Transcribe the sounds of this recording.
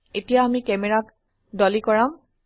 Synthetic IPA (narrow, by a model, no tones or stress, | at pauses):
etijaːmikɛmɛɹak | dɔlikɔɹam